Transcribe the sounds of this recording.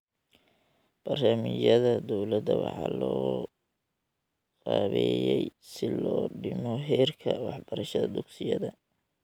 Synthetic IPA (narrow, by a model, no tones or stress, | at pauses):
b̥ɐramɪjɐðɐd̪ɔwlɐd̪ɐwɑ̰ħɑ̰ːlɔː | qɑːβɛjɛjsɪlɔːɖɪmɔɦɛːrkʰɐwɑħbɐɾɐʃɐðɐd̪ʊɡsɪjɐðɐ